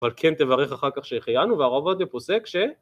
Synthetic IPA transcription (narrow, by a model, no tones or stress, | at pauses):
valkʰent̪evaʁeχaχaʁkaχʃeχajanuveaʁo̞vad̪epo̞sekʃe